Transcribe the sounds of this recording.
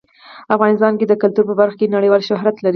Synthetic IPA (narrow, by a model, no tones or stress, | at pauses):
afɣɑnɪst̪ɑnked̪əkalt̪uɾpəbaɾxkenaɽəjwɑlʃʊɦɾat̪laɾi